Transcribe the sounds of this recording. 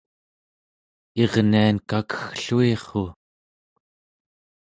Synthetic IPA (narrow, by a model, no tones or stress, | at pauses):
eʁniankakə̥xɬueχo